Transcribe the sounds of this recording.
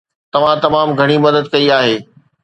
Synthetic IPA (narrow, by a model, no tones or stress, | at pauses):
t̪ɐʋ̤ãt̪ɐmaːmɡʱɐɽ̃imɐd̪əd̪̚kɐiaːɦeː